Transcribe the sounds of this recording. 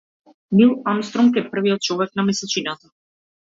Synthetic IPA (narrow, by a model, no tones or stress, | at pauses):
milˠamst̪ɾɔmkɛpr̩vijɔt̪̚t͡ʃɔvɛknamɛsɛt͡ʃinat̪a